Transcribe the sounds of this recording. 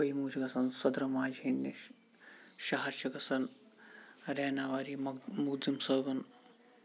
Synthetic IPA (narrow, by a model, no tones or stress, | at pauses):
ɐimuːd͡ʒɐɡɐsɐnsɐd̪ɾɐmaːd͡ʒinːi | ʃɐɦɐɾt͡ʃɐkɐsɐn | ɾɛːnaːʋaːɾimuɡzimsəːbɐn